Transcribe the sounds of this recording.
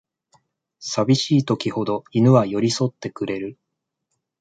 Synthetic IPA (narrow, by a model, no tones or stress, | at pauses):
sabʲiɕiːt̪o̞kʲiho̞d̪o̞inɯ̟βajo̞ɾʲiso̞t̪ːe̞kɯ̟ɾe̞ɾɯ̟